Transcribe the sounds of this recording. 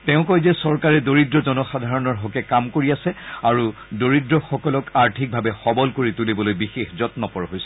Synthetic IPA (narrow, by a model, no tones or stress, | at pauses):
tɛʊ̃kɔjzɛsɔɹkaɹɛdoɹidɹɔzɔnɔxadʱaɹɔnɔɹɦɔkɛkamkoɹiasɛaɹudoɹidɹɔxɔkɔlɔkaɹtʰik̚bʱabɛxɔbɔlkoɹitulibɔlojbixexzɔtnɔpɔɹɔɦojsɛ